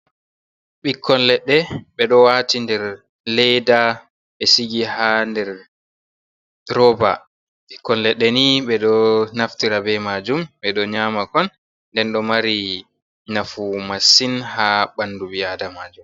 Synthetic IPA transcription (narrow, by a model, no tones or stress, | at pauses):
ɓikʰːɔnlɛɗːɛɓɛɗɔwatindɛɾ | lɛjda | ɓɛsiɡihandɛɾ | ɾɔba̰ | ɓikːɔnlɛɗːɛniɓɛɗɔnaftiɾabɛmad͡ʒumɓɛɗɔɲaːmakɔnː | dɛnɗɔmaɾi | nafumasinhaɓandubiadamad͡ʒum